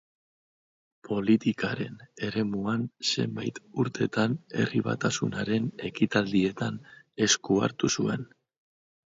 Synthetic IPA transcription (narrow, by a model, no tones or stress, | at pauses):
pʰo̞lit̪ikaɾe̞̰ne̞ɾe̞muanse̞̰mbajt̪uɾt̪e̞t̪ane̞̰riβa̰t̪asunaɾe̞ne̞kit̪ald̪ie̞t̪an | e̞skua̰ɾt̪usue̞n